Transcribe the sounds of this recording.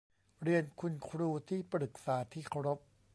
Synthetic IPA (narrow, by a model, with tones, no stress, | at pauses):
ɾi˧ənkʰu˧nkʰɾuː˧t̪ʰiː˥˩pɾɯ˨˩k̚saː˨˩˦t̪ʰiː˥˩kʰa˧wɾo˦˥p̚